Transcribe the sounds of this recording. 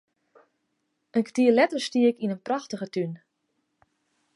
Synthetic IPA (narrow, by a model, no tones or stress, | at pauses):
ʔənktiəlɛtərstiəkinənpraxtəɣətyn